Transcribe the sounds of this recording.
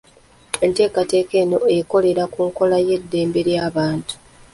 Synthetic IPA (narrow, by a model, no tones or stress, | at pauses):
e̞nte̞ːkate̞ːke̞ːno̞e̞ko̞le̞ɾakuːŋko̞laje̞dːe̞ːmbe̞ɾjaːβaːntu̥